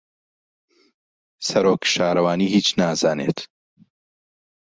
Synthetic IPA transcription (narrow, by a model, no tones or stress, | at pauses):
sɐɾoːkʃaːɾɐwaːniːɦiːt͡ʃnaːzaːnḛt̪